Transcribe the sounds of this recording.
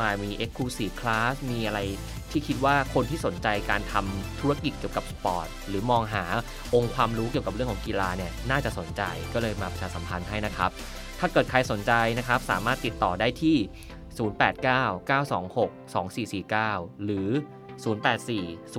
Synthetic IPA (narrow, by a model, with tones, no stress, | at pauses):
aː˧˩jmiː˧ʔe˦˥kʰːuː˧siː˨˩kʰlaː˦˥smiː˧ʔa˧ɾa˧j | t̪ʰiː˥˩kʰi˦˥t̪̚waː˥˩kʰo˧nt̪ʰiː˥˩so˩˦nt͡ɕa˧jkaː˧nt̪ʰa˧mt̪ʰu˦˥ɾa˥˧ki˨˩t̪̚ki˨˩əwka˨˩p̚spɔ̰ː˨˩t̪̚ɾɯː˩˦mɔː˧ŋɦaː˩˦ | ʔo˧ŋkʰwaː˧mɾuː˦˥ki˨˩əwka˩p̚ɾɯ˥˩əŋkʰːŋki˧laː˧ni˥˩ɐnaː˥˩t͡ɕa˨˩ʔso˩˦nt͡ɕa̰˧jkɔː˥˩lɤː˧jmaː˧pɾa˧t͡ɕʰaː˧sa˩˦mpʰa˧nɦa˥˩jna˦˥kʰɾa˦˥p̚ | t̪ʰaː˥˩kɤː˨˩t̪̚kʰa˧jso˩˦nt͡ɕa˧jna˦˥kʰa˦˥p̚sa̰ː˩˦maː˥˩t̪ːi˨˩t̪ːɔː˨˩daː˥˩jt̪ʰiː˥˩ | suː˩˦npɛː˨˩t̪̚kaː˥˩wkaː˥˩wsɔː˩˦ŋho˨˩k̚sɔː˩˦ŋsiː˨˩siː˨˩kaː˥˩wɾɯː˩˦ | suː˩˦npɛː˨˩t̪̚siː˨˩s